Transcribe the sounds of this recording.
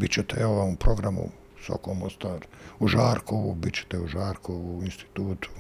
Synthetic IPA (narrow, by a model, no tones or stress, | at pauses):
bit͡ɕet̪eoʋamupɾoɡɾamṵ | so̰komost̪aːɾuʒaːɾkoubit͡ɕe̥t̪euʒaːɾkʰouinst̪i̥t̪uːt̪u̥